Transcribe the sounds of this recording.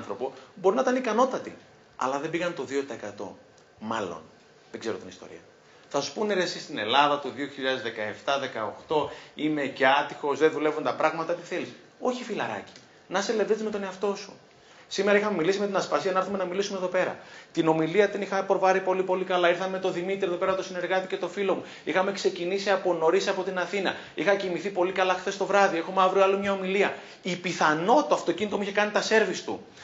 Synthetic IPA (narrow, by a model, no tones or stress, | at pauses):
nθɾo̞pobo̞ɾinɐt̪ɐnikɐno̞t̪ɐt̪ḭ | ɐ̰lɐðe̞biɣɐnt̪o̞ðio̞t̪ɐekɐt̪o̞̰ | mɐ̰lo̞̰n | ðeɡze̞ɾo̞t̪inist̪o̞̰ɾḭɐ | θɐsu̥spuneɾesist̪ine̞̰lɐðɐt̪oðio̞çiʎɐðe̞zðe̞kɐe̞ft̪ɐðe̞kɐo̰xt̪o̞ime̞ceɐt̪ixo̞zðeðule̞vunt̪ɐpɾɐɣmɐt̪ɐt̪i̥θe̞lis | o̞çifilɐɾɐ̰ci̥ | nɐselevðit̪izme̞t̪o̞ne̞ɐft̪o̞su̥ | simeɾɐixɐme̞milisime̞t̪inɐsfɐsiɐnɐɐɾθume̞nɐmilisumeðo̞pe̞ɾɐ̰t̪ino̞miliɐt̪inixɐpɾovɐɾipo̞lipo̞likɐlɐiɾθɐme̞t̪o̞ðimit̪iɾeðo̞pe̞ɾɐt̪o̞sine̞ɾɣɐt̪ice̞t̪o̞filo̞mu | ixɐme̞kse̞cinisiɐpo̞no̞ɾisɐpo̞t̪inɐθinɐ̰ | ixɐcimiθipo̞likɐlɐxθe̞st̪o̞vɾɐðie̞xomeɐvɾioɐlomɲɐo̞miliɐ | ipiθɐno̞t̪oɐft̪o̞cinit̪o̞muiçe̞kɐnit̪ɐse̞ɾvist̪ṵ